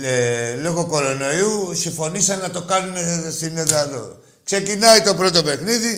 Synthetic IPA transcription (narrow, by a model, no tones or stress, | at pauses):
elo̞ɣo̞ko̞ɾo̞no̞iusiɱfo̞nisɐnːɐt̪o̞kɐnunest̪ineðɐːðo̞̰ | kse̞cinɐit̪o̞pɾo̞t̪o̞pe̞xniði